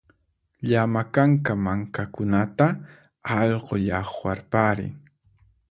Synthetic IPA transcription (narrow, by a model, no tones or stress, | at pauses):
ʎamakaŋkamaŋkakʊnat̪a | ɑʎqoʎɑχwaɾpaɾɪ̰ŋ